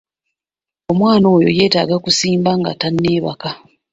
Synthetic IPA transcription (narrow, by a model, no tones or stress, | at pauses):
o̞mwaːno̞ːjo̞̰je̞ːta̰ːɡakusiːmbaŋɡa̰tanːe̞ːβa̰ka